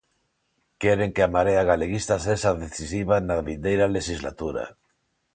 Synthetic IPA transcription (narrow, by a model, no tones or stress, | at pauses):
keɾeŋkeamaɾeaɣaleɣ̞ist̪aseʃaðeθisiβ̞anaβind̪ejɾaleʃizla̰t̪uɾa̰